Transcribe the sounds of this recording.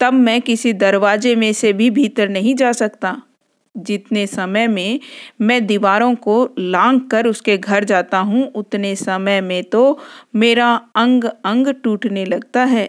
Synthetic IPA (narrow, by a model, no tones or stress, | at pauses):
t̪ɐbmɛ̃kɪsid̪ɐɾʋaːd͡ʒemẽsebʱibʱiːt̪əɾnɐɦĩd͡ʒaːsɐkt̪a | d͡ʒɪt̪nesɐməjmẽmɛ̃ːd̪iʋaːɾõkolãːŋɡkɐɾʊskeɡʱɐɾd͡ʒaːt̪aɦũʊt̪nesɐməjmẽt̪omeːɾaɐ̃ŋɡɐ̃ŋɡʈuːʈnelɐɡ̚t̪aɦɛː